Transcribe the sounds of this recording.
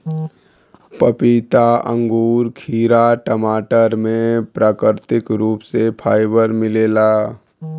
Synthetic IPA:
pəpiːt̪aə̰̃ŋɡuːɾkʰiːɾaʈəmaːʈəɾmẽpɾaːkɾt̪ɪkɾuːpsepʰaːɪbəɾmɪleːlaː

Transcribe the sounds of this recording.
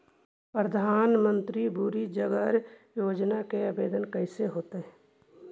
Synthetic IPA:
pɾəd̪ʱaːnmə̃nt̪ɾibuɾid͡ʒəɡəɾjoːd͡ʒnakeəbeːd̪ənkəɪseɦoːt̪eɦɛ̃ː

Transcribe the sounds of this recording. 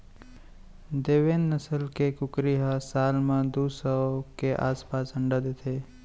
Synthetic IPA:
d̪eːʋeːnːəsəlkekʊkɾiɦasaːlmãd̪uːsəkeʔa̰ːspaːsə̃ɳɖad̪eːt̪ʰeː

